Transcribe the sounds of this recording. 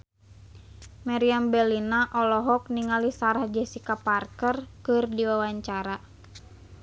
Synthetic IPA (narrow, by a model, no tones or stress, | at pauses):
maɾiambɛlinaʔɔlɔɦɔk̚niŋalisaɾahd͡ʒɛsikaparkərkɨrdiwawaɲt͡ʃaɾa